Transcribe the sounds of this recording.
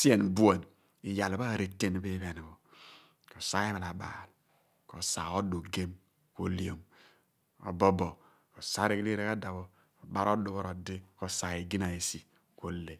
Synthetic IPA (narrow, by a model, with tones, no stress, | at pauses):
si˦e˨nbu˦a˨n | i˨ja˨lba˦˨ɾe˨tːe˦n˨be˦βe˨n˨βo˨ | ko˨sa˦e˦βa˨la˨ba̰˨l | ko˨sa˨o˦du˨ɡe˦m | ko˨li˦o˨m | o̰˨bo˦bo˨ | ko˨sa˦ɾe˦kli˦ɾe˦ka˦da˨βo˨ | ko˨ba˦ɾo˦du˨βo˦ɾo˨de˦ko˨sa˨e˨ɡi˦na˨e˨si˨ | ko˨le˨